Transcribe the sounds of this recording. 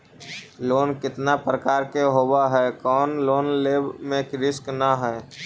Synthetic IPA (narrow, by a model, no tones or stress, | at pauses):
loːnkɪt̪napɾəkaːɾkeɦoːbaɦɛkɔːnloːnleːbmẽkɾɪsknaɦɛː